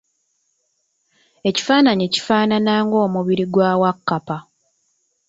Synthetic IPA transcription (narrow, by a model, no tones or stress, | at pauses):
e̞ci̥faːnaɲici̥faːnanaːŋɡo̞ːmuβiɾiɡwaːwakːapa